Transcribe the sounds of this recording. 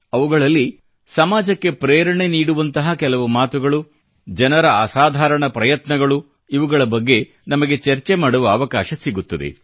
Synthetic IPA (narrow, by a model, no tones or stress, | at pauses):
ɐʋuɡɐɭɐlːi | sɐmaːd͡ʒɐkːe̞pɾeːɾɐɳe̞niːɽuʋɐnt̪ɐɦɐkɛlɐʋumaːt̪uɡɐɭu | d͡ʒɐnɐɾɐːsaːd̪ʱaːɾɐɳɐpɾɐjɐt̪nɐɡɐɭu | iʋuɡɐɭɐbɐɡːe̞ | nɐmɐɡe̞t͡ʃɐɾt͡ʃemaːɽuʋɐːʋɐkaːʃɐsiɡut̪ːɐd̪ḛ